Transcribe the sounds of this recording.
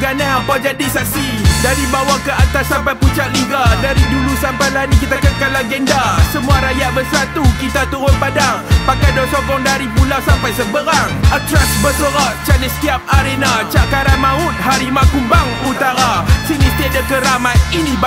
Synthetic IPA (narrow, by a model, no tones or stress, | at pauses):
ɡanahampad͡ʒadisak̚sidaɾibawakəat̪asampajput͡ʃaʔ̚liɡadaɾidulusampajlanikit̪akəkalaɡɛndasəmũaɾajaʔbəsat̪ukit̪at̪uɾʊnpadaŋpakajdɔsɔkɔŋdaɾipulawsampajsəbəɾaŋat̪ɾasbət̪əɾaʔt͡ʃaləskiap̚aɾenat͡ʃaʔkaɾamãʊt̪̚haɾimakumbaŋut̪aɾasinist̪edəkəɾamatini